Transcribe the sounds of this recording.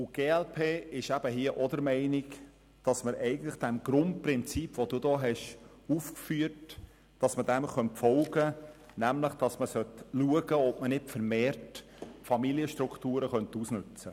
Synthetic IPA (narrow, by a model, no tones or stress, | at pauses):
ʊɡ̥eːɛlpʰeːɪʃæb̥əɦiəʔɔd̪əɾmɛɪnik | d̥ɑsməɾʔɛɪɡən̩t̪ləχd̥ɛmɡ̥ɾʊnt̚pɾɪnt͡sipʋod̥uːdɔːɦɛʃ | uːfkfyːət | d̥ɑsmədɛmχœntfɔlɡə | næmləχd̥ɑsməsœtluəɡəɔpmənɪtfəɾmeːrt | fɑmiliəʃtɾukt̪uːɾəχœnt̪usnʉt͡sə